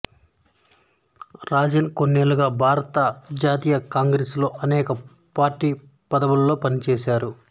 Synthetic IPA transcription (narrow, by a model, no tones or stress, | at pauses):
ɾaːd͡ʒenkonːeːluɡaːbʱaːɾɐt̪ɐd͡ʒaːt̪iːjɐkaːŋɡɾeːslo̞ːʔɐnɛːkɐ | paːɾʈːiː | pɐd̪ɐʋulɐlːo̞ːpɐnit͡ʃeːsaːɾu